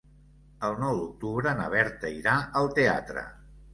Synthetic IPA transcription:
əlˠnɔwd̪uk̚t̪uβɾənəβɛɾt̪əiɾaəlˠt̪ea̰t̪ɾə̰

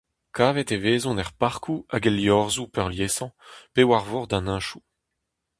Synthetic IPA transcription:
kʰaːvɛt̪eveːzɔ̃nɛʁpaʁkʰuaɡeljɔʁzupœʁljeːsɑ̃pewaʁvɔʁd̪ãnɛ̃ːʃu

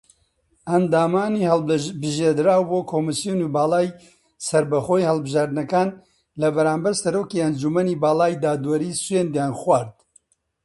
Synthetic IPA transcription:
ɐnd̪aːmaːnihɐlbɨʒeːd̪ɨɾaːwboːkʰoːmɨsjunubaːlaːj | sɐɾbɐxoːjhɐlˠbɨʒaːɾd̪nɐkaːn | lɐbɐɾaːmbɐɾsɐɾoːkiɐnd͡ʒumɐniːbaːlaːjd̪aːd̪wɐɾiːswend̪jaːnxwaːɾd̪

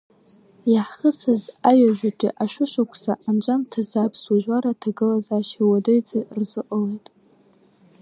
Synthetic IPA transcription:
jaħχəsazaɥaʒʷᶣatʲʼḭʔaʃʷᶣʊʂakʷʰsaʔand͡ʒʷʼamtʰazapʰsuʒʷᶣaɾatʰaɡɨlazaːʃiwadojd͡zʼarzɨqʼəlejtʼ

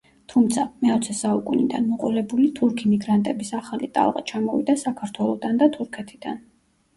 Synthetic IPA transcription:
t̪ʰumt̪sʰamɛɔt̪sʰɛsaukʼunid̪a̰nmɔqʼɔlɛbulit̪ʰuɾkʰimiɡɾant̪ʼɛbisaχalit̪ʼa̰lˠʁa̰t͡ʃʰamɔvḭd̪asakʰaɾt̪ʰwɛlˠɔd̪and̪at̪ʰuɾkʰɛt̪ʰid̪̥a̰n

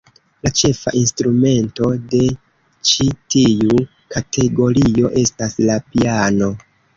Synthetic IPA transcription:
lat͡ʃe̞fa̰ʔinstɾume̞nto̞de̞ | t͡ʃitiu | katʰe̞ɡo̞ɾio̞ʔe̞staslapiano̞

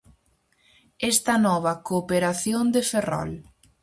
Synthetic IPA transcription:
ɛst̪ɐnɔβɐkopeɾaθjond̪eferɔ̰l

